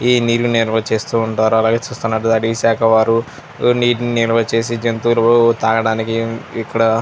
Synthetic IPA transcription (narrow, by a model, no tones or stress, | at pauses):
iːniːɾuniɾʋɐt͡ʃe̞ːst̪uːɳʈaːɾuɐlaːɡe̞ːt͡ʃuːst̪unːɐːɽud̪ɐɽisaːkʰɐʋaːɾu | niːʈniniɾʋɐt͡ʃe̞ːs̬id͡ʒɐnt̪ulɐt̪aːɡɐɽaːnikiːkːɐɽɐ